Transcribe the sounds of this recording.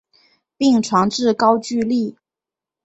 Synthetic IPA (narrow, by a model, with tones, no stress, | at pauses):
pi˥˩ŋʈ͡ʂʰwɑ˧˥ŋʈ͡ʂɻ̩˥˩kɑ˥ʊt͡ɕy˥˧li˥˩